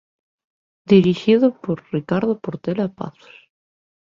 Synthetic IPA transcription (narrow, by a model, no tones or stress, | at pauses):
d̪iɾixiðopoɾrikaɾðopoɾt̪elapa̰θo̥s